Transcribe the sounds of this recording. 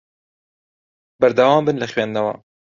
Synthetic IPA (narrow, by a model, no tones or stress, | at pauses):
bɛɾd̪ɐwɑːmbɨnlɐxɥeːnd̪ɐwɑ̰ː